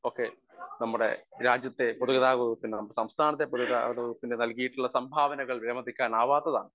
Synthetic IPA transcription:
oːkːe̞ | nɐmːuɽe̞̰ɾaːd͡ʑjɐt̪ːe̞poðuɣɐðaːɣoɣup̪ːinnɐmːɐɽesɐmst̪ʰaːnɐt̪ːepoðuɣɐða̰ːɐðɐɣup̪ːinenɐlkijiʈːuɭːɐsɐmbʱaːʋɐnɐɣɐɭʋiɾɐmɐd̪ikʲːaːnaːʋaːt̪ːɐða̰ːɳɨ

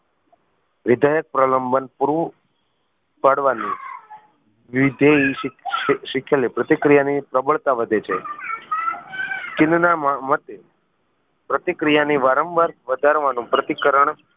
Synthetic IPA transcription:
ʋɪd̪ʱajək̚pɾələmbənpuɾʋu | paɽʋani | ʋɪd̪ʱei | ʃɪkʰjalipɾət̪ikɾijanipɾəbəɭt̪aʋəd̪ʱet͡ʃʰe | t͡ʃɪnnamamət̪e | pɾət̪ikɾijaniʋaɾəmbaɾʋəd̪ʱaɾʋanũpɾət̪ikəɾəɳ

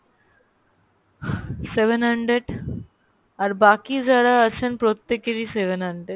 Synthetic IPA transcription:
seʋənɦəɳɖɾeɖ | aɾbaːkizjaːd̪aət͡ʃʰənpɾot̪ːekeɾiseʋənɦəɳɖɾeɖ

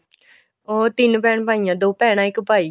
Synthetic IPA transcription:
oːt̪ɪnpɛːɳpaːijãːd̪oːpɛːɽ̃ãːɪkpaːiː

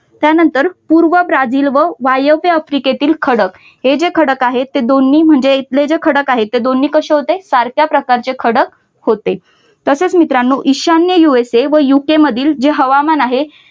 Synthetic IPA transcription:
t̪janənt̪əɾpuɾʋəbɾad͡ziːlʋəʋajəpeəfɾiket̪iːlkʰəɽək | ɦed͡ʑekʰəɽəkaɦet̪ːed̪onːiːm̤əɳd͡zeit̪led͡ʑekʰəɽəkaɦet̪ːed̪onːiːkəɕeɦot̪esaɾkjapɾəkaɾt͡ɕekʰəɽək | hot̪e | t̪əset͡smit̪ɾanːuːʔiɕanjəjueseʋəjukeməd̪ʱiːld͡ʑeɦəʋamanaɦe

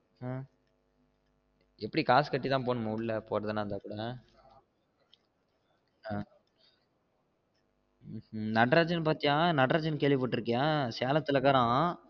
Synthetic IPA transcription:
ɛpːɐɽikaːskɐʈːit̪ãːpoːnɯmːɐʊlːɐpoːɾɐðanaːnd̪aːkuːɽɐ | nɐʈɾaːt͡ʃɐnpaːɾt̪ɪŋaːnɐɖɾaːd͡ʒɐnkeːɭʋipaːʈːɪɾɯkːɐjaːseːlɐt̪ːɪlɐkaːɾãː

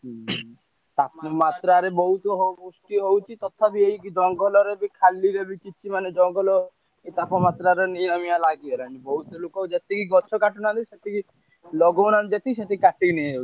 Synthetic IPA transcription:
t̪apmat̪ɾaɾebɔɦut̪ɔɦɔkusʈiɦowt͡ʃʰit̪ɔt̪ʰabiejkid͡ʒ̪ɔŋɡɔlɔɾebikʰalːiɾebikit͡ʃʰimaned͡ʒɔŋɡɔlɔ | et̪apɔmat̪ɾaɾeniamialaɡiɔɾanibɔɦut̪ɔlokɔd͡ʒet̪ikiɡɔt͡ʃʰɔkaʈɔnaɾiʃet̪iki | lɔɡɔnaɾd͡ʒet̪ʰiʃet̪ikaʈiniawʰi

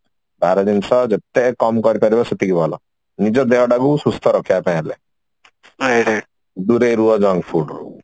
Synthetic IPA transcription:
baɾɔd̪insɔd͡ʒet̪ːekɔmkɔɾipaɾibɔset̪ikibʱɔlɔ̰ | nid͡ʒɔd̪eɦɔɖaɡusust̪ʰɔɾɔkʰijapãɛ̃le | d̪uɾeɾuɔd͡ʒɔŋɡpʰuɖɾu

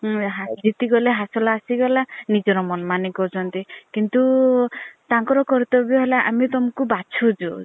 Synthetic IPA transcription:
ɦad͡ʒit̪iɡɔleɦasɔlaːsiɡɔlanid͡ʒɔɾɔmɔnmanikɔt͡ʃʰɔnt̪ikint̪u | t̪aŋkɔɾɔkɔɾit̪ɔbabiɔɦelaʔa̰mit̪ɔmɔkubat͡ʃʰud͡ʒu

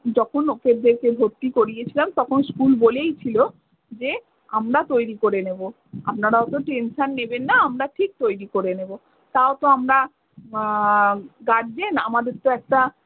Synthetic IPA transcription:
d͡ʑɔkʰonokeɾd̪eɾkebʱoɾt̪ːikoɾijet͡ɕʰilamt̪ɔkʰonskulbolejt͡ɕʰilo | d͡ʑe | amɾat̪ojɾikoɾenebo | a̰pnaɾaot̪oʈenʃanːebenːaamɾaʈʰik̚t̪ojɾikoɾenebo | t̪aot̪oamɾa | ɡaɖd͡ʑenamad̪eɾt̪oɛk̚ʈa

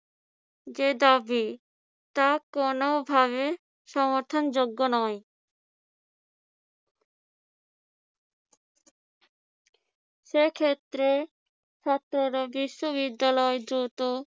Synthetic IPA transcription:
d͡ʑed̪abi | t̪akonobʱaβe | ʃɔmoɾt̪ʰond͡ʑoɡːonɔe | ʃekʰet̪ːɾe | t͡ʃʰat̪ːɾoɾobiʃːoβid̪ːalɔed̪ɾut̪o

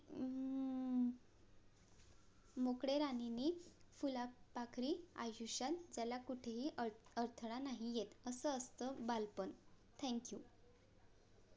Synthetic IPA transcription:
mokɽeɾaninifulapakɾiːa̰juɕat̪d͡ʑalakuʈʰeɦiːəɾt̪ʰəɽ̃anaɦijet̪əsəəst̪əbalpənt̪ʰɛ̃ŋkju

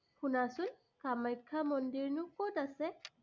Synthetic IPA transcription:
xunasʊn | kamajkʰːamɔndiɹnʊkotasɛ

